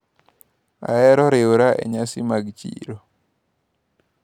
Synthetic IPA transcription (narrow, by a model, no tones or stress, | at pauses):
a̰ɛɾɔɾeoɾaʔɛ̰ɲasimaɡt͡ʃḭɾo